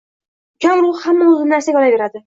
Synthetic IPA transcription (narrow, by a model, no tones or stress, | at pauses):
d͡ʒɒŋɾʊʁhamːaʊzɪnɪnaɾsaɡʲɒlave̞ɾad̪ɪ